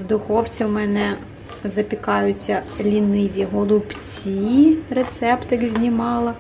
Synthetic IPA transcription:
wd̪ʊxɔwt͡sʲiwmɛnɛ | zɐpʲikɑjʊt͡sʲːɐlʲinɪʋʲiɦɔlˠʊpt͡sʲiret̪sɛpt̪ɪkzʲnʲimɑlˠɐ

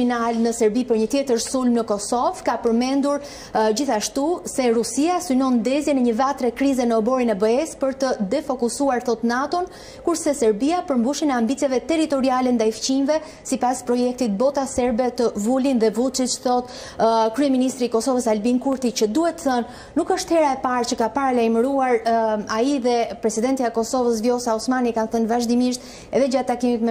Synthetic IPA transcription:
inalnəsɛɾbipəɾɲət̪jɛt̪əɾsulmnəkɔsɔvkapəɾmɛnd̪uɾ | d͡ʑiθaʃt̪usɛɾusiasynɔnd̪ɛzjɛnɛɲəvat̪ɾɛkɾizɛnəɔbɔɾinɛbəɛspəɾt̪əd̪ɛfɔkusuaɾθɔt̪nat̪ɔn | kuɾsɛsɛɾbiapəɾmbuʃinɛambit̪t͡sjɛvɛt̪ɛɾit̪ɔɾialɛnd̪ajft͡ɕinvɛ | sipaspɾɔjɛk̚t̪it̪̚bɔt̪asɛɾbɛt̪əvulinðɛvut͡ʃit̪t͡ʃθɔt̪ | kɾyɛminist̪ɾiːkɔsɔvəsalbinkuɾt̪it͡ɕəd̪uhɛt̪ːəθənː | ukəʃt̪hɛɾaɛpaɾt͡ʃəkapaɾalajməɾuaɾaiðɛpɾɛsid̪ɛnt̪iaɛkɔsɔvəs̬vjɔsaɔsmanikanθənvaʒd̪imiʃt̪ | ɛðɛd͡ʒat̪ːakimit̪mɛ

